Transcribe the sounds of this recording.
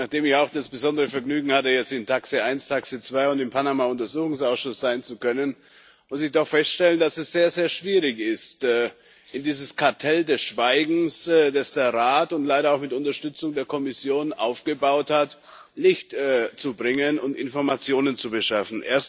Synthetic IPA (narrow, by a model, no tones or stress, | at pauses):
naχd̥eːmɪçaʊxd̥asb̥əzɔndəʁəfɛɐɡnyːɡŋ̩hatəjɛt͡stɪntʰaksəaɪnstʰaksət͡sv̥aɪʊntɪmpʰanamaʊntɐzuːxʊŋsaʊsʃʊsz̥aɪnt͡sukʰœnən | mʊsɪçd̥ɔχfɛstʃtɛləndasɛsz̥eːɐzeːɐʃv̥iːʁɪçɪstɛː | ʔɪndiːzəskʰaɐtʰɛldɛsʃv̥aɪɡŋ̩sdasd̥eːɐʁaːtʊntlaɪɾɐaʊxmɪtʊntɐʃtʏt͡sʊŋdeːɐkʰɔmɪsjoːnʔaʊfɡ̥əbaʊthat | lɪçtɛt͡subʁɪŋənʊntɪ̰nfɔɐmat͡sjoːnənt͡subəʃafn̩ʔḛːɐst